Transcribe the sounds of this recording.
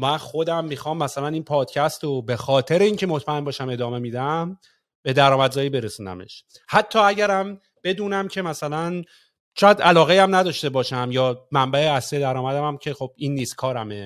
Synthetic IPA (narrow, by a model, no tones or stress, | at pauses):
mænxo̞d̪æmːixɒːmːæsælæniːnpʰɒːd̪̥cʰæst̪obe̞xɒːt̪ʰe̞ɾeiːŋcʰe̞mo̞t̪ʰmæe̞mbɒːʃæme̞d̪ɒːme̞mid̪æm | b̥e̞d̪æɾɒːmæd̪zɒːjibe̞ɾesuːnæ̰mḛʃ | hæt̪ʰːɒːæɟæɾæm | b̥e̞d̪uːnæmcʰe̞mæsælæn | ʃojæd̪ælɒːɣejæmnæd̪ɒːʃt̪e̞bɒːʃæmjɒːmæmbæeæslied̪æɾɒːmæd̪æmæmcʰe̞χo̞b̥inːiːskʰɒːɾæme